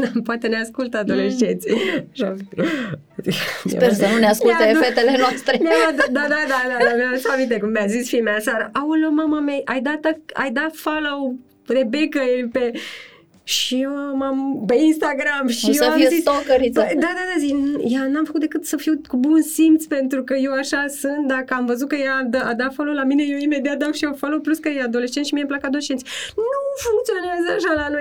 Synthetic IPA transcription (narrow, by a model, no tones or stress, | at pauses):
poat̪eneaskult̪ad̪oleʃd͡ʒet̪sʲaʃa | ikmspersənuneaskulaefet̪elenoast̪ɾejead̪d̪ad̪ad̪ad̪ad̪amiaesamint̪̬ekumːiazisfimeasaɾəʔawulomamamejʔajd̪at̪əa̰jd̪at̪folow | rebekəjepe | ʃijewmampe̞inst̪aɡɾamʃijeazisokəɾpəd̪ad̪ad̪azinjanamfəkut̪d̪ekɨt̪səfiwkubunsimt̪spe̞nt̪ɾukəje̞waʃasɨnt̪̚d̪akəamvəzut̪̚kəjad̪ad̪afalowlamine̞jewime̞d̪iat̪̚d̪akʃiofalowpluskəjead̪o̞le̞ʃt͡ʃet̪ʃimiemplakad̪oleʃt͡ʃe̞nt̪sʲnufuŋk̚t̪sio̞neazəaʃalano̞j